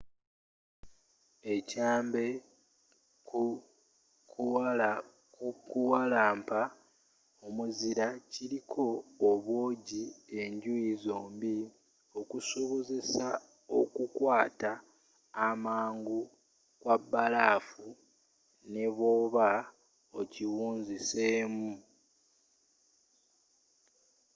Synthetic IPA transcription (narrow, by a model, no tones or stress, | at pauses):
e̞caːmbe̞ | ku | kual | kukuwalaːmpa | omuziɾaciɾikʰo̞ːβwo̞ːɟie̞ɲɟuizoːmbi | o̞kusoβo̞ze̞sa | o̰kukwaːtaː | maːŋɡu | kwabːalaːfu | ne̞βoːβa | ociwuːnziseːmu